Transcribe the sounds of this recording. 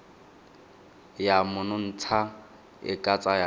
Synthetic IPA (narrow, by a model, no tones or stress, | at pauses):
jamʊnʊn̩t͡sʰa | ɪ̰kʼat͡sʼaja